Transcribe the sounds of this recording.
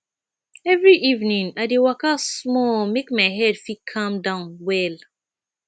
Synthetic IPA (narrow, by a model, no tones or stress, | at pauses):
ɛvɹiʔivnĩŋadewakasmɔmekmaɪɦɛdfikʰãmdãnwɛl